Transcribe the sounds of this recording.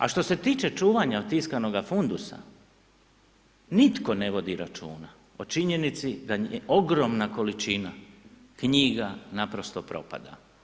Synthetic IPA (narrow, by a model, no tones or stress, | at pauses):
a̰ʃt̪o̞se̞t̪iːt͡ʃe̞t͡ʃuːʋaɲaot̪iskano̞ɡafund̪usa̰ | nit̪ko̞ne̞ʋo̞d̪iɾat͡ʃṵːna | o̞t͡ʃiɲe̞nit̪sid̪aeʔo̞ɡɾo̞mnako̞lit͡ʃina | kɲiɡanapɾo̞st̪o̞pɾo̞̰pa̰d̪a̰